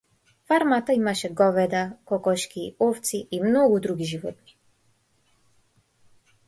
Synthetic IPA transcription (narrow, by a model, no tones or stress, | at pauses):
faɾmat̪aimaʃɛɡɔvɛd̪akɔkɔʃkiɔft̪siːmnɔɡud̪ɾuɡiʒivɔ̰t̪ni̥